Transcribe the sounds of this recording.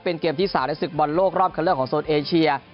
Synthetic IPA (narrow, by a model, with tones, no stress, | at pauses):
pe˧nkeː˧mt̪ʰiː˥˩saː˩˦mna˦˥sɯ˨˩k̚bɔ˧nloː˥˩k̚ɾɔː˥˩p̚kʰa˧lɯ˥˩əkʰːɔː˩˦ŋsoː˨˩t̪̚ʔeː˧t͡ɕʰi˧ɐ